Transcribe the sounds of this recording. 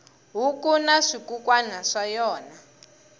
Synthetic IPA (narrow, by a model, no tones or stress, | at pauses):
ɦukunaʂikukwanaʂajɔːna